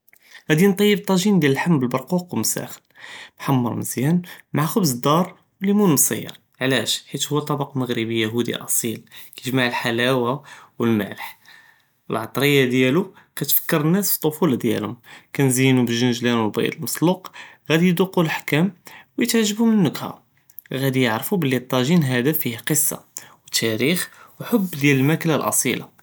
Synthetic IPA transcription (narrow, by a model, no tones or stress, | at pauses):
ɣæd̪int̪ˤɑjːəb̚t̪ˤɑʒind̪jæləlħamːbəlbɑɾˤquqwəlmsæ̰xə̥lbħamːɑ̰ɾˤmə̰zjænmaʕxʊbzəd̪ːɑɾˤ | wlimunmsˤə̰jːɑ̰ɾˤ | ʕlæʃħit̪hʊwːæt̪ˤːɑbɑqməɣɾibəjːaɦud̪ḭʔɑsˤilkæʒmaʕəlħalæwawəlmæ̰ʕləħ | əlʕɑt̪ˤɾəjːad̪jælu | kæt̪fə̥kːəɾˤənːæsfi̥t̪ˤːofuld̪jæ̰lhʊmkænzəjnubəʒːənʒlænwəlbɑ̰j̰d̪ˤəlməsˤluqɣæd̪ijd̪uqːulħkæmwjət̪ʕaʒːəbumənːəkhæ̰ | ɣæd̪ijəʕɾfubəlːit̪ˤːɑʒinɦæd̪æfihqəsˤːɑ̰wət̪ʰːæɾixwħobːd̪jæləlmæklalʔɑ̰sˤilɑ̰